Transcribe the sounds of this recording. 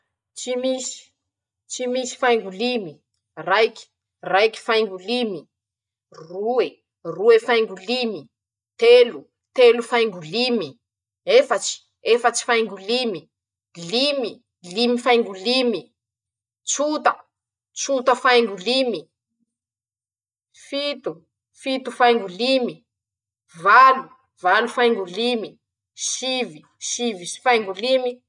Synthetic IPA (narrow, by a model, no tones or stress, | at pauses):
t͡ʃimisi̥ | t͡ʃimisi̥fajŋɡulimi | rajkʲi̥ | rajki̥fajŋɡulimi | rue | ruefajŋɡulimi | t̪elu | t̪elufajŋɡulimi | efət͡si̥ | efət͡si̥fajŋɡulimi | limi | limifajŋɡulimi | t͡sut̪ə | t͡sut̪əfajŋɡulimi | fit̪u | fit̪ufajŋɡulimi | valu | valufajŋɡulimi | ʃivi | ʃivisi̥fajŋɡulimi